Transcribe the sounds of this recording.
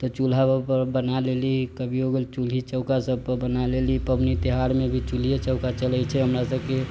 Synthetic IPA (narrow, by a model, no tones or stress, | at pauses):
t̪ɔt͡ʃul̤apəɾbənalelikəbʱiɦoɡelit͡ʃulɦit͡ʃəʊkasəb̚pəɾbənalelipəmnit̪iɦaɾmebʱit͡ʃulijet͡ʃəʊkat͡ʃələt͡ʃʰɛɦəmɾasəbke